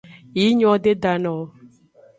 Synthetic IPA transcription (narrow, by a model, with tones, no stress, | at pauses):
i˨˦ɲɔ̃˦de˦da˨nɔ̃˨